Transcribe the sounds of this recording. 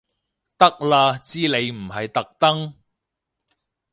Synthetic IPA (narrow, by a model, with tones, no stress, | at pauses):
t̪ɐ˥k̚laː˧t͡siː˥le˨˧jm̩˨˩ɦɐ˨jt̪ɐ˨k̚t̪ɐ˥ŋ